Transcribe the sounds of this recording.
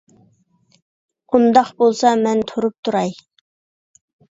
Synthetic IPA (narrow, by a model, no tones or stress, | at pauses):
und̪ɑqbolˠsɑmɛnt̪ʰoɾup̚t̪ʰuɾɑj